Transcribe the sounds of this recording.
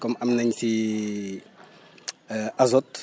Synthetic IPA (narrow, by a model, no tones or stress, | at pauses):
komaminaɲisi | azot̪